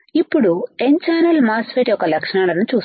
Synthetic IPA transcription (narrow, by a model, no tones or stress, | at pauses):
ipːuɽueɲt͡ʃaːnɐlmaːsʋeːʈijɔkːɐlɐkʂɐɳaːlɐnut͡ʃuːs